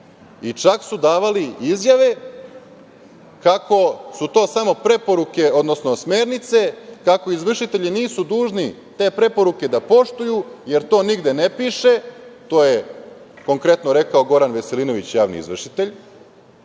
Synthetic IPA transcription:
it͡ʂaksud̪aːʋaliizjaʋe̞ | kako̞sut̪o̞ːsamo̞pɾe̞po̞ɾuke̞o̞d̪no̞sno̞sme̞ːɾnit̪se̞kako̞izʋr̩ʃit̪eʎiniːsud̪uːʒni | t̪e̞ːpɾe̞po̞ɾuke̞d̪apo̞ʃt̪ujuje̞ɾt̪o̞ːniɡd̪e̞nepiːʃe̞t̪o̞ːje | ko̞ŋkɾe̞t̪noɾe̞kaoɡo̞ɾanʋe̞selino̞ʋit͡ɕjaːʋnḭḭzʋr̩ʂit̪e̞ʎ

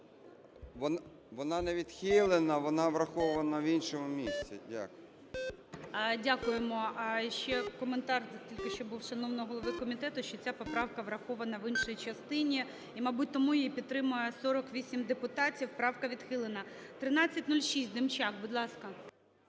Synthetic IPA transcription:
ʋɔn | ʋɔnɑnɛʋʲid̪xʲilˠenɐʋɔnɑʋɾɐxɔʋɐnɐʋinʃɔmʊmʲisʲt͡sʲɪ̰dʲa̰kʊj | dʲakʊjemɔʃt͡ʃɛkɔment̪ɑrtʲilʲkɪʃt͡ʃɔbuwʃɐnɔwnɔɦɔlˠɔʋɪkɔmʲit̪ɛt̪ʊʃt͡ʃɔt͡sʲapɔpɾɑwkɐʋɾɐxɔʋɐnɐʋɪnʃɔjit͡ʃɐst̪ɪnʲi | imɐbut̚ʲt̪ːɔmujipʲid̪t̪ːɾɪmʊjɛsɔɾɔkʋʲisʲimd̪epʊt̪ɑtʲiwpɾɑwkɐʋʲid̪xɪlˠenɐ | t̪ɾɪnɑt͡sʲːɐtʲnulʲʃisʲtʲd̪ɪmt͡ʃɑkbʊd̪lˠɑskɐ

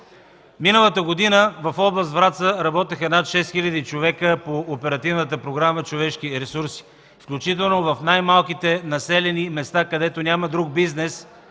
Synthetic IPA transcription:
minəlˠət̪əɡod̪inəvɐfɔblˠəst̪vɾat̪səɾɐbɔt̪ɛxənat̪ʃɛst̪xilʲɐd̪it͡ʃovɛkəpoːpɛɾɐt̪ivnət̪̬əpɾoɡɾamət͡ʃovɛʃkiɾɛsuɾsi̥ | fklʲut͡ʃit̪̬ɛlˠnovɐfnajmalˠkit̪ɛnɐsɛlɛnimɛst̪akɐd̪ɛt̪onʲaməd̪ɾuɡ̚biznɛs

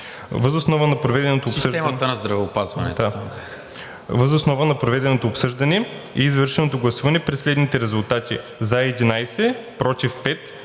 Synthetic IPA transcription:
vəzosnɔvənɐpɾovɛd̪ɛnot̪oːpsəʒɛmɐt̪ənɐzd̪ɾɐvɛʊpazvɐ̰nɛ̰d̪a | vəzosnɔvənɐpɾovɛd̪ɛnot̪oːpsɤʒd̪ɐnɛ | ɛizvɤɾʃɛnot̪oɡlˠɐsuvɐnɛpɾɛslɛd̪nit̪ɛɾɛzulˠt̪at̪ʲi | zaɛd̪inajsɛpɾɔt̪ifpɛt̪

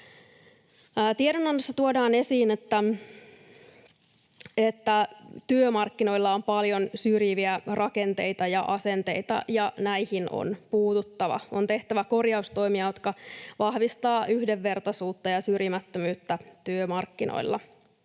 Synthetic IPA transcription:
t̪iedonɑnːosːɑt̪uodɑːne̞siːnet̪ːæ | et̪ːæt̪yømɑrkːino̞ilːɑompɑljo̞nsyrjiʋiærʔɑke̞nt̪e̞it̪ɑjɑʔɑse̞nt̪e̞̰jt̪ɑ̰jɑnæijhino̰npuːt̪ut̪ːɑʋɑ̰ont̪e̞ht̪æʋæko̞rjɑust̪o̞imiɑjot̪kɑʋɑhʋist̪ɑːʔyhdeʋːe̞rt̪ɑsuːt̪ːɑjɑsyrjimæt̪ːømyːt̪ːæt̪yømɑrkːinʔo̰ilːɑ̰

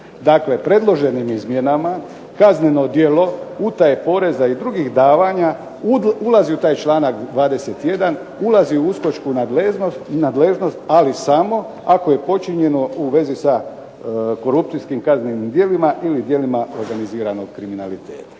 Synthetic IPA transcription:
d̪akle̞pɾe̞d̪lˠo̞ʒe̞nimizmje̞nama | kazne̞no̞d̪je̞lo̞ut̪ajepo̞ːɾe̞zaid̪ɾuɡixd̪aːʋaɲa | ulaziut̪aːjt͡ʃlaːnakd̪ʋaːd̪e̞se̞t̪je̞d̪an | ulaziuusko̞t͡ʃkunaeonad̪leʒno̞st̪alisamo̞ | ako̞je̞po̞t͡ʃiɲe̞no̞uʋe̞zisa | ko̞ɾupt̪sijskimkaznenimd̪je̞limaʔilid̪je̞limao̞ɾɡaniziːɾano̞ɡ̚kɾiminalit̪e̞ːt̪ḁ

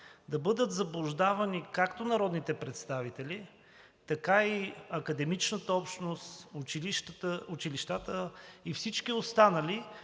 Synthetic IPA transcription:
d̪ɐbɤd̪ət̪zɐblˠʊʒd̪avɐnikakt̪onɐɾɔd̪nit̪ɛpɾɛt̪st̪avit̪ɛli | t̪ɐkaiɐkɐd̪ɛmit͡ʃnət̪əɔpʃnost̪ʊiʃt̪əʊt͡ʃiliʃt̪at̪əifsit͡ʃkiost̪anəli

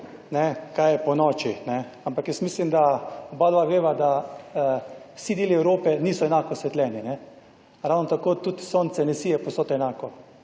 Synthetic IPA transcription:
nɛkajɛpɔnɔːt͡ʃinɛ | ampakjɛst̪miːslimd̪aɔbaːd̪ʋaɡɾeːʋad̪a | wsid̪eːliɛwɾoːpɛniːsɔɛnakɔsʋɛt̪lʲɛːninɛ | ɾawnɔt̪akoːt̪ut̪soːnt̪sɛnɛsiːjɛposot̪ɔɛnaːkɔ

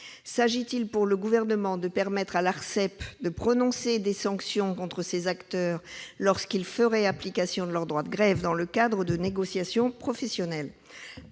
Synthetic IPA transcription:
saʒit̪ilpuʁləɡuvɛʁnəmɑ̃d̪əpɛʁmɛt̪χalaʁsɛpd̪əpχɔnɔ̃sed̪esɑ̃ksjɔ̃kɔ̃t̪χəsezakt̪œʁlɔʁskilfəʁɛaplikasjɔ̃d̪əlœʁd̪ʁwad̪əɡʁɛvd̪ɑ̃ləkad̪ʁəd̪əneɡɔsjasjɔ̃pχɔfɛsjɔnɛl

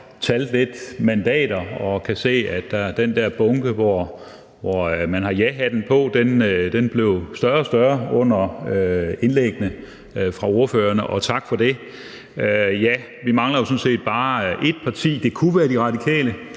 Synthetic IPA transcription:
t͡sʰæld̥le̝d̥mænd̥ɛ̰ːd̥ɐɒ̽kʰæse̝̰ːæd̥d̥ææɐd̥end̥æɐb̥ɔ̽ŋɡ̥əʋɒ | ʋɒmænɦɑ̈jæɦæd̥en̩pʰɔ̽d̥end̥enb̥le̝ʊsd̥ɶɐsd̥ɶɐɔ̽n̰ɐøe̝nleɡ̥ənə | fʁɑ̈o̝ɐføːɐnəʔɒ̽t͡sʰɑ̈ɡ̥fɒ̽d̥e̝ | øjæ | ʋimɑ̈ŋlɐjo̝sɔ̽n̩se̝̰ːd̥̚b̥ɑ̈ːʔe̝d̥̚pʰɑ̈t͡sʰḭːd̥e̝kʰuʋæːɐd̥iʁɑ̈d̥ikʰɛ̰ːlə

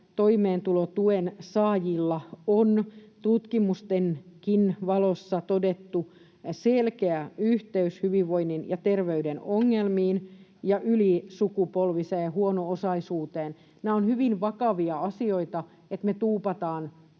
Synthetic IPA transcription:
t̪oimeːnt̪ulot̪uensɑːjilːɑont̪ut̪kimust̪enkinʋɑlosːɑt̪odet̪ːu | selkeæyht̪eyshyʋiʋʋoinːinjɑt̪erʋeydenoŋːelmiːnjɑʔylisukupolʋiseːhuonoosɑisuːt̪eːn | næːonhyʋinʋɑkɑʋiɑɑsioit̪ɑ | et̪met̪uːpɑt̪ɑːn

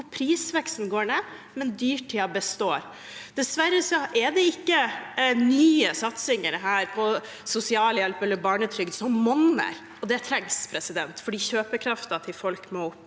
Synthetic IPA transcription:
pʰɾiːsʋɛkst̪n̩ɡoːɳeː | mɛnd̪yːʈʰːɪɑbəst̪oːɾ | d̪̥ɛsʋæɾːəsɔʔɛd̪ɛɪkːənyːəsɑt̪sɪŋəɾɦæːɾpʰɔ | sʊsɪɑːləjɛlpɛlːəɾbɑːɳət̪ʰɾʏɡd̪sɔmmɔnːə̰ɾ | ɔd̪ɛt̪ʰɾɛŋspʰɾɛsɪd̪ɛnt̪fɔɖiːɕøːpəkʰɾɑft̪ɑt̪ʰɪlfɔlkmɔʊpː

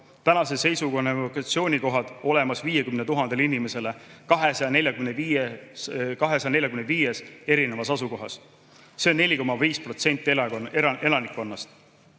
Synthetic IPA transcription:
t̪ænɑse̞se̞jsuɡonevokɑt̪sio̞ːnʲiko̞ɦɑd̪̥o̞le̞mɑsviːje̞kymnet̪uɦɑnd̥̪e̞linime̞se̞lekɑɦesɑɑne̞lʲjɑkymenvie | kɑɦe̞sɑjɑne̞lʲjɑkymnviːje̞se̞ɾine̞vɑsɑsuko̞ɦɑs | se̞onːe̞lʲiko̞mɑviːspro̞t̪se̞nʲt̪ːˑi | e̞lɑnikːˑonːɑst̪

